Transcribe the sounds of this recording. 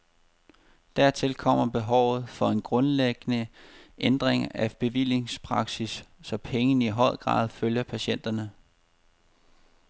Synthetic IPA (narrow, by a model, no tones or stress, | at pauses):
d̥æɐt͡sʰe̝lkʰɒ̽m̰ɐb̥e̝ɦɒʊ̰ð̞̩ˠfɒ̽e̝nɡ̥ʁɔ̽nleɡ̥ənəʔend̥ʁeŋɐʔæb̥e̝ʋil̰e̝ŋspʰʁɑ̈ɡ̥sisːɒ̽pʰeŋənəiɦɒ̽ð̰ˠɡ̥ʁɑ̰̈ːð̞ˠføljɐpʰæɕen̰d̥ɐnə